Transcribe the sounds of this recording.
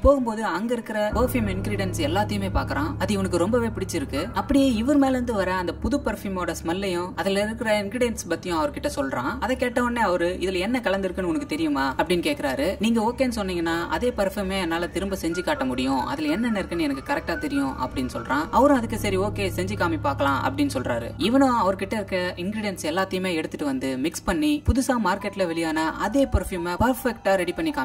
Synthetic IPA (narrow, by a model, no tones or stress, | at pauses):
poːɣɯmpoːðɯɐŋɡɐɪɾɯkːɪɾɐpoːfimɪnɡɾiɽɛnsɛlːaːt̪ːɪjɯmeːpaːɾkɐɾãːɐðɯɔnɐkːɯɾɔmbɐʋeːpɪɽɪt͡ʃːɪɾɯkːɯɐpːɐɽɪjeːɪʋɐɾmeːlɐɾɯnd̪ɯʋɐɾɐɐnd̪ɐpʊðɯpɐɾfimoːɽɐsmɐlːɐjʊ̃ɐðɪlɪɾɯkːɪɾɐɪnɡɾɪɽɪjɛnspɐt̪ːɪjʊ̃ɐʋɐɾɯkɪʈːɐsɔlɾãːɐðɐkːeːʈːɐʋɐnːeːɐʋɐɾɯʔɪðɪlɛnːɐkɐɭɐnd̪ɪɾɯkːɐnːɯɔnɐkːɯt̪ɛɾɪjɯmaːɐpːɐɽɪnːɯkeːʈkːɪɾaːɾɯniːŋɡɐoːkeːnːɯsɔnːiːŋɡɐnːaːʔɐ̰ðeːpɐɾfjumeːɛnːaːlɐt̪ɪɾɯmbɐsɛɲd͡ʒikːaːʈːɐmʊɽɪjʊ̃ɐ̰ðɪlɛnːɛnːɐɪɾɯkːɐnːɯɛnɐkːɯkɐɾɛk̚ʈaːt̪ɛɾɪjʊ̃ʔɐ̰pːɐɽɪnːɯsɔlɾãːɐʋɐɾʊ̃ɐðɯkːesɐɾioːkeːsɛɲd͡ʒikaːmipaːɾkɐlãːʔɐ̰pːɐɽɪnːɯsɔlra̰ːɾɯ̰ɪʋɐnʊ̃ɐʋɐɾɯkɪʈːɐɪɾɯkːɐɪnɡɾɪɽɪjɛnsɛlːaːt̪ːɐjɯmeːɛɽɯt̪ːɯʈːɯʋɐnd̪ɯmɪkspɐɳːipʊðʊsaːmaːɾkeʈːɪlɐʋɛɭɪjaːnɐʔɐðeːpɐɾfjuːmepɐɾfɛkʈaːɾɛɽipɐɳːikaː